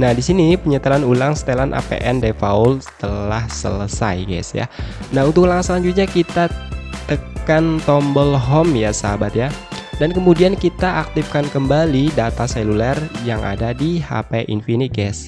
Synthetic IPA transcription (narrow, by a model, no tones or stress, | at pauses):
nahdisinipəɲət̪əlanulaŋst̪elanʔa̰pḛʔɛndefaulsə̥t̪əlahsə̰ləsa̰jɡɛ̰sja̰naɦunt̪ʊklaŋsəlaɲd͡ʒut̪̚ɲakit̪at̪əkant̪ɔmbəlɦɔmjasabat̪̚jadankəmudiankit̪aʔak̚t̪ɪfkankəmbalidat̪aselulɛrjaŋʔa̰dadiha̰peʔḭnfiniɡɛs